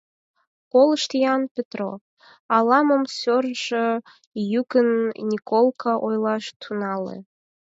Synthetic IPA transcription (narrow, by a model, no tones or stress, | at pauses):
koləʃt̪ijɑnpʲet̪ro̰ | ɑlɑməmsørʒə | jukənnʲikolˠkʰɑʔojlɑʃt̪ʰunɑlḛ